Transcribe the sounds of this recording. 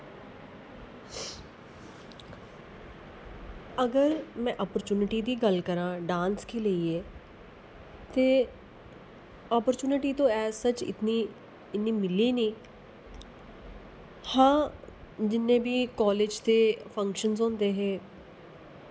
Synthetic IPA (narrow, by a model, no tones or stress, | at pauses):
əɡəɾmɛ̃ːʔɔːpəɾt͡ʃuːnɪʈiːd̪iːɡəlkəɾãːɖãːnskeːləiːɛː | t̪eː | ɔːpəɾt͡ʃuːnɪʈiːt̪õːɛːsət͡ʃɪ̰t̪niː | ɪnːiːmɪliːnĩː | hãː | d͡ʒɪnːẽːbiːkɔːleːd͡ʒt̪eːpʰə̃ŋkʃənzɔ̃ːnd̪eːɦɛː